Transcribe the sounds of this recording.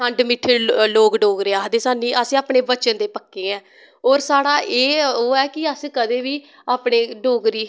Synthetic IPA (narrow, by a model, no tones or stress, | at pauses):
əɳɖmɪʈʰːeloːɡɖoːɡɾeːaːd̪eːsaːnĩːʔəsĩːaːpɳeːbət͡ʃənd̪eːpəkːeːɛ̃ː | oːɾsaːɽaːʔeːoːɛːkɪəskəd̪eːʋiː | aːpneːɖoːɡɾiː